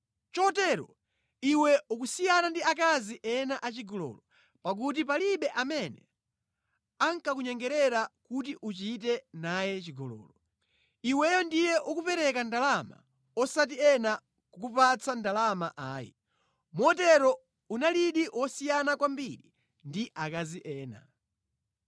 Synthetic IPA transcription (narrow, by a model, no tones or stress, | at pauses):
t͡ʃɔtɛːɾɔ̰ | iwɛukusijanandiakaziʔɛnaʔat͡ʃiɡɔlɔ̰lɔ | pak̬ut̬ipaliɓɛʔamɛnɛ̰ | aŋkakuɲɛŋɡɛɾɛɾakutiʔut͡ʃitɛnajɛt͡ʃiɡɔlɔ̰ːlɔ | iwɛjɔndijɛʔukupɛɾɛkandalama̰ | ɔsat̬iɛna | kukupat͡sandalamaʔaːjḭ | mɔtɛɾɔ | unaliɗiwɔsijanakwambiɾi | ndiʔakaziʔɛːna̰